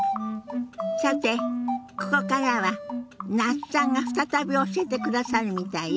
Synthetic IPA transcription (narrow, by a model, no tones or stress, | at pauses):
sat̪ːe̞ko̞ko̞kaɾaβanasãŋɡaɸɯ̟̥t̪at̪abʲio̞ɕiet̪e̞kɯ̟d̪asaɾɯ̟mʲit̪ai